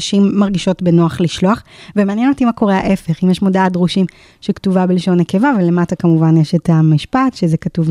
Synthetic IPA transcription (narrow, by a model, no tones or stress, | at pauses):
ʃimːaʁɡiʃo̞tbenoaχliʃloaχvemeanjenot̪imako̞ʁehaʔe̞fe̞χimjeʃmo̞daatʁuʃim | ʃektuvabelʃo̞nːeke̞vavele̞matakamuvanjeʃetamiʃpatʃezekatuv